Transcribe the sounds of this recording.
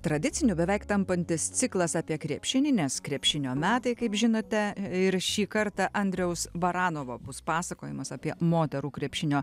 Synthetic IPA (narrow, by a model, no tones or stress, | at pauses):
t̪ɾɐd̪ʲɪt͡ssʲɪnʲʊbʲɛʋʲɛɪkt̪ɐmpɐnʲt̪ʲɪst̪t͡s̪ʲɪklˠɐsɑːpʲiɛkɾʲiɛpʲʃʲɪnʲɪnʲɛskɾʲiɛpʲʃʲɪnʲoːmʲæːt̪ɐɪkɐɪpʒʲɪnoːt̪ʲɛɪɾʃʲiːkɐɾt̪ɑʔɐnʲd̪ʲɾʲɛʊsbɐɾɑːnoːʋoːbʊspɑːsɐkoːjɪmɐsɑpʲiɛmoːt̪ʲɛɾuːkɾʲiɛpʲʃʲɪnʲoː